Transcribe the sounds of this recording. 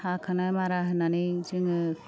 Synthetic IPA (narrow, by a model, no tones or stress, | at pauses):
hakʰɯnajmaɾaɦɯnanid͡ʒɯŋɯ